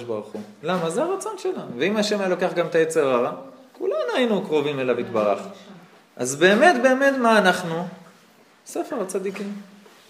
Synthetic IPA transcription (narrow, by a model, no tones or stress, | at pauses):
ʃbaʁuχulamazeaʁat͡so̞nʃelanuveimaʃemajalo̞keaχɡamet̪ajet͡se̞ʁaʁakulanuainukʁo̞vimelavit̪baʁaχ | ʔa̰zbe̞ːme̞t̪be̞ːme̞t̪maːnaχnu | sefe̞ʁat͡sad̪ikim